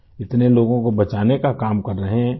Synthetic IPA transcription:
ɪt̪neloːɡõkobɐt͡ʃaːnekakaːmkɐɾːɐɦeɦɛ̃

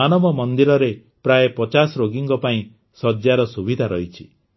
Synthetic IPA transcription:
anɔbɔmɔnd̪iɾɔɾe | pɾaepɔt͡ʃasɔɾoɡiŋkɔpaĩ | sɔd͡ʒjaɾɔsubid̪ʱaɾɔ̰ɦit͡ʃʰi̥

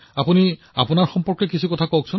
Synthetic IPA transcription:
apuni | apunaɹxɔmpɔɹkɛkisʰukɔtʰakɔk̚sʰʊn

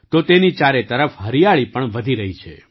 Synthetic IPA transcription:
t̪ot̪enit͡ʃaɾet̪əɾəfɦəɾijaɭipəɳʋəd̪ʱiɾəɦit͡ʃʰḛ

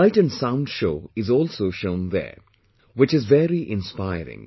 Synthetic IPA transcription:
aɪʈə̃nsãʊ̃nɖʃoːɪzɔːlsoːʃõʊ̃nðɛ̰ɾ | wɪt͡ʃɪzʋɛɾiʔɪ̃nspaɪɾɪ̰̃ŋ

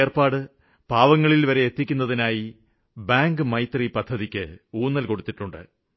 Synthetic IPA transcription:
erpaːɽɨ | paːʋɐŋːɐɭilʋɐɾe̞et̪ːikʲːunːɐðinaːji | baːŋɡɨmɐjt̪ripɐd̪ʱːɐðikʲːɨ̰uːnːɐlko̞ɽut̪ːiʈːuɳɖɨ̰

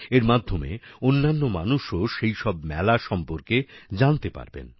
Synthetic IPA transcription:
eɾmad̪ʱːomḛonːanːoma̰nuʃoʃejʃɔbmɛlaʃɔmpoɾked͡ʑant̪epa̰ɾbḛn

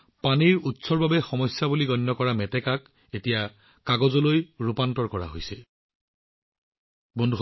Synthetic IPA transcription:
paniɹutsɔɹbabɛxɔmɔsjabuliɡɔnːɔkɔɹamɛtɛkak | etija | kaɡɔzɔlojɹupantɔɹkɔɹa̰ɦojsɛ | bondʱux

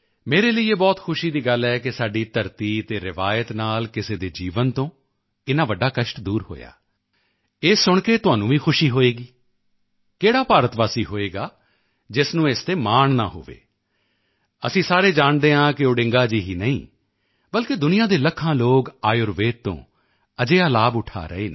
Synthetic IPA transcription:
meːɾeːləiːeːbɔːt̪kʰʊʃiːd̪iːɡəlɛːkɪsaːɖiːt̪əɾt̪iːt̪eːɾɪʋaːjət̪naːlkɪseːd̪eːd͡ʒiːʋənt̪õː | ɪnãːʋəɖːaːkəʃʈd̪uːɾɦo̰ːja̰ː | eːsʊɳkeːt̪ʊãːnũːʋĩːxʰʊʃiːɦoːeːɡiː | keːɽaːpaːɾət̪ʋaːsiːɦoːeːɡaː | d͡ʒɪsnũːeːst̪eːmaːɳna̰ːɦo̰ːʋḛː | əsĩːsaːɾeːd͡ʒaːɳd̪eːɦãːkɪʊɖɪ̃ŋɡaːd͡ʒiːɦiːnəḭ̃ː | bəlked̪ʊnɪjãːd̪eːləkʰːãːloːɡaːjʊɾʋeːt̪t̪õ̰ː | əd͡ʒeːaːlaːbʊʈʰa̰ːɾə̰eːneː

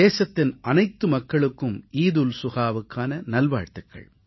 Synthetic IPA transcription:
eːsɐt̪ːɪnʔɐnɐɪt̪ːɯmɐkːɐɭɯkːɯmiːðulsʊɣaːʋɯkːaːnɐnɐlʋaːɻt̪ɯkːɐ̰ɭ

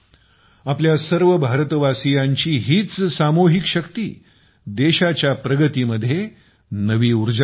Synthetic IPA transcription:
apljasəɾʋəbʱaɾt̪əʋasijaɲt͡ɕiːɦiːt͡ssamoɦikɕəkt̪iː | d̪eɕat͡ɕjapɾəɡət̪iːməd̪ʱːje | nəʋiːuɾd͡ʑ

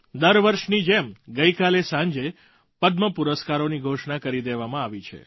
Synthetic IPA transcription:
d̪əɾʋəɾʃnid͡ʒemɡəjkalesãɲd͡ʒe | pəd̪məpuɾəskaɾoniɡʱoʃɳakəɾid̪eʋamãaʋit͡ʃʰḛ

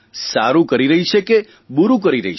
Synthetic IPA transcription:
saɾũkəɾiɾəɦit͡ʃʰeke | buɾũk̬əɾiɾə̰ɦi

